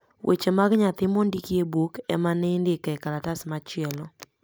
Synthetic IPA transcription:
wʔḛt͡ʃemaɡɲat̪ɪmondikiebukɛ̰manɛndɪkɛkalatasmat͡ʃɪɛlɔ

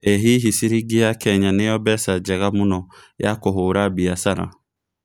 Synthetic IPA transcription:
ɛɦiɦisiɾiɡɪakʰɛɲanɪjɔbɛsad͡ʒɛɣamʊnɔjakɔɦʊɾabiasaɾa̰

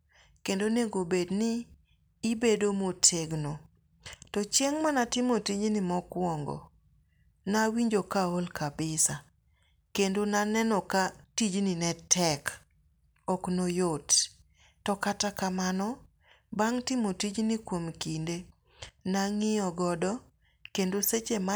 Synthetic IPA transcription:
kendoneɡobednɪː | bedomotʰeɡno | tɔt͡ʃeŋmanatɪmotid͡ʒnɪmɔkwɔŋɡɔ̰ | nawiɲd͡ʒokaolkʰabɪsa | kendonanɛnɔkatid͡ʒnɪnɛtʰɛk | ɔknojot | tɔkatakamanɔ | baŋtɪmotid͡ʒnɪkwomkinde | naŋɪɔɡɔdɔ | kendoset͡ʃema

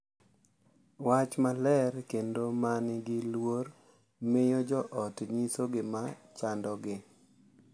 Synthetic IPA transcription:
wat͡ʃmalɛɾkendomanɪɡɪlwoɾ | mɪjɔd͡ʒɔʔɔtɲisoɡɪmat͡ʃandɔɡɪ

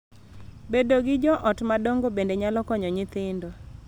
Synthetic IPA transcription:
bedoɡɪd͡ʒɔʔɔtmadoŋɡobendeɲalɔkɔɲɔɲɪt̪ɪndo

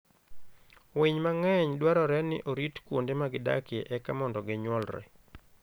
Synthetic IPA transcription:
wiɲmaŋɛɲdwaɾɔɾɛnɪ̰ʔoɾitkwondemaɡɪda̰keʔɛkamɔndɔɡɪɲwɔlrɛ̰

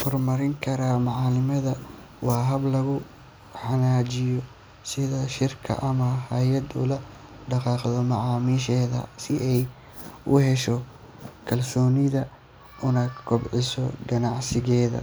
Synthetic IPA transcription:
hɔrmɐɾɪŋkʰɐɾaːmɑʕɑːlɪmɐðɐ | wɑːɦɐblɐɣʊ | ħɑnaːd͡ʒɪjɔ | sɪðɐʃɪrkʰɐ̰ʔɐmɐhɐjɐd̪ʊ̰lɐ | ɖɑqɑːqðɔmɑʕɑːmiʃɛːðɐ̰sɪʔɛj | ʊhɛʃɔ | kʰɐlsɔːnɪðɐ | ʔʊnakʰɔbʕɪsɔ̰ɡɐnɑʕsɪɣɛːðɐ̰

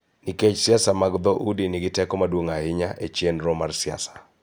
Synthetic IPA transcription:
niket͡ʃsɪasamaɡd̪ɔʔudinɪɡɪtɛkɔmadwoŋaɪɲaʔet͡ʃjenɾɔmarsɪa̰sḁ

